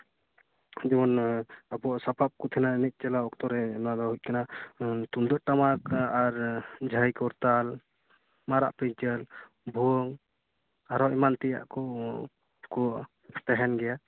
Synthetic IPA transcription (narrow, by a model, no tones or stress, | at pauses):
d͡ʒimɔnabɔaʔsapʰap̚kɔt̪ʰinainit̪̚ˀt͡ʃɛlaɔkt̪ɔɾɛnad̪ɔɦuc̚kanat̪und̪ɔʔʈamakaɾd͡ʒʱəjkɔɾt̪al | maɾa̰ʔpit͡ʃəl | bʱuɔŋ | aɾɔimant̪ɛja̰ʔkɔ | kɔʔ | t̪ɛɦɛnɡɛja